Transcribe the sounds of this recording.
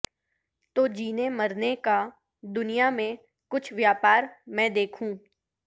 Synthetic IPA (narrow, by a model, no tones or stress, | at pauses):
t̪oːd͡ʒiːneməɾneka | d̪ʊnijamẽ | kʊt͡ʃʰʋjaːpaːɾmɛ̃ːd̪eːkʰũː